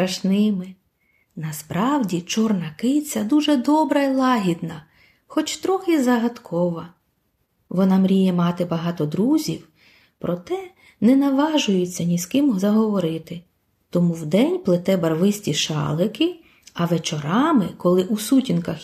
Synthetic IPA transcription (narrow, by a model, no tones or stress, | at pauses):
sɾɐʃnɪmɪ | nɐspɾɑwdʲit͡ʃɔrnɐkɪt͡sʲɐd̪uʒɛd̪ɔbɾɐilˠɑɦʲid̪nɐ | xɔt͡ʃt̪ɾɔxɪzɐɦɐd̪kʰɔʋɐ | ʋɔnɑmɾʲijɛmɑt̪ɪbɐɦɑt̪ɔd̪ɾuzʲiw | pɾɔt̪ɛ | nɛnɐʋɑʒʊjʊt͡sʲːɐnʲiskɪmzɐɦɔʋɔɾɪt̪ɪ | t̪ɔmuwd̪ɛnʲplˠɪt̪ɛbɐrʋɪsʲtʲiʃɑ̰lˠɪkɪ | ɐʋet͡ʃɔɾɑmɪkɔlˠɪʔusutʲinkɐx